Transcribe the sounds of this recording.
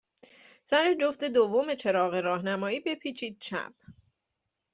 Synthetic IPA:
sæɾed͡ʒofd̪e̞d̪ovːome̞t͡ʃʰe̞ɾɒːɣe̞ɾɒːɦnæmɒːiːbe̞pʰiːt͡ʃʰiːd̪̥̚t͡ʃʰæ̰b̥̚

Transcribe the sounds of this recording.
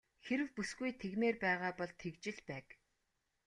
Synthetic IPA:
xeɾɘ̆wpusɡujt̪ʰeɣmeːrpæːʁaːpɔɮt̪ʰekt͡ɕɪ̆ɮpæːk

